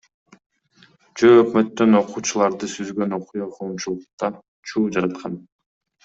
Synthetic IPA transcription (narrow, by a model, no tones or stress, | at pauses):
d͡ʒøːkmø̞t̪ːø̞no̞quːt͡ʃulˠɑɾd̪ɯsyzɡø̞no̞qujɑqʰo̞ːmt͡ʃulˠuq̚t̪ɑ | t͡ʃʰuːd͡ʒɑɾɑt̪qʰɑn